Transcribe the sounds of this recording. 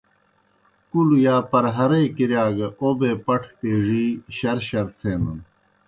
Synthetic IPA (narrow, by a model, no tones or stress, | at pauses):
kulujaːpɐɾɦɐɾɐjkiɾjaːɡɐʔobeːpɐʈʰʈeːʐiːɕɐɾɕɐɾt̪ʰeːnɐn